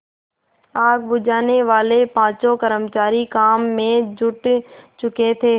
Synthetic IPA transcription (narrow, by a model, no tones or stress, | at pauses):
aːɡ̚bʊd͡ʒʱaːneʋaːlepãːt͡ʃokəɾəmt͡ʃaːɾikaːmːẽd͡ʒʱʊʈt͡ʃʊket̪ʰeː